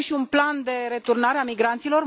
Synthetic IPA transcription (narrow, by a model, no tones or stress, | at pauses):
ʃiunpland̪e̞ɾe̞t̪urnaɾeamiɡɾant̪silo̞r